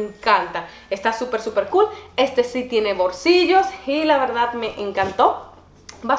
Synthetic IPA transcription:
ŋkant̪a | est̪asupeɾsupeɾkule̞st̪e̞sit̪je̞ne̞βoɾsiʝo̞silaβeɾðad̪meʔeŋkant̪o̞ | ba

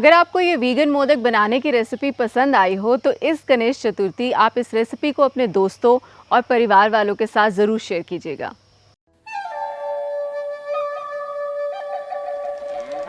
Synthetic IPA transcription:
ɐɡəɾaːp̚kojeʋiːɡənmoːd̪ək̚bɐnaːnek̬iɾɛsɪpipɐsə̃nd̪aːiɦot̪oʔɪskɐneːʃt͡ʃɐt̪ʊɾt̪iaːpɪsɾɛːsɪpikoɐpned̪oːst̪õɔːɾpɐɾɪʋaːɾʋaːlõkesaːt̪ʰzɐɾuːɾʃeːəɾkiːd͡ʒiḛːɡa̰ː

